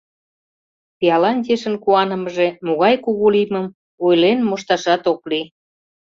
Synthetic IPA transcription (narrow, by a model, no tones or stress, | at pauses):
piɑlɑnt̪ʲeʃə̆nkuɑnəməʒemoɣɑjkuɣuliməm | ojlenmoʃt̪ɑʃɑt̪okli